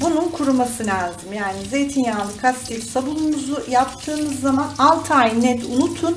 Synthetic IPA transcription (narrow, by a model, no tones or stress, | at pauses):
bununkʰuɾumasɯnlʲazimjaːnize̞jt̪ʰinjalˠɯkʰast̪iɾsabulˠumuzujap̚t̪ʰɯːmɯzːamanalˠt̪ʰajnɛt̪unut̪ʰun